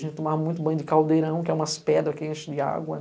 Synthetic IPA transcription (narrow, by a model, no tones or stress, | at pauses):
ʒẽnt̪ɪt̪omamũj̃t̪ʊbɐ̃j̃ʊd̪ɪkawd̪eɾɐ̃w̃kɪɛũmɐspɛd̪ɾɐkeẽʃɪd͡ʒ̪ɪa̰ɡwɐ̰